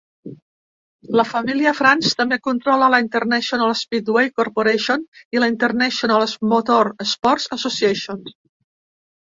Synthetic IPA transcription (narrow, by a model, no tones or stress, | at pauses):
ləfamiliəfɾanst̪əmbekunt̪ɾɔlələint̪əɾnɛʃjonalespit̪wejkoɾpoɾeʃoniləint̪ərnɛʃjonalsmot̪oɾespɔɾt̪səsosiɛʃon